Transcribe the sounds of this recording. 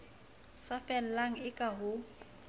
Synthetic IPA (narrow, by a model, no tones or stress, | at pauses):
safɛl̩laŋ̩ɪkʼaɦʊ